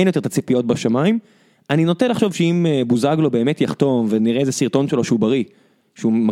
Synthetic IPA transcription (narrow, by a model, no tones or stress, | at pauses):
ejnjotet̪at͡sipijo̞t̚baʃamaim | anino̞t̪enlaχʃo̞vʃeimebuzaɡlo̞be̞ːmetjaχt̪o̞mveniʁezesiʁt̪o̞nʃelo̞ʃeubaʁi | ʃeuma